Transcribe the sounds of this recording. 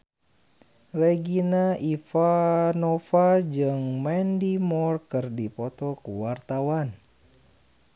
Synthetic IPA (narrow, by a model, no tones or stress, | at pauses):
reɡinaʔifanɔfad͡ʒɨŋmɛndimɔrkɨrdipɔt̪ɔkuwart̪awan